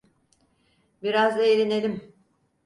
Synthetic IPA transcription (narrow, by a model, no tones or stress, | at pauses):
biɾazelʲine̞lʲim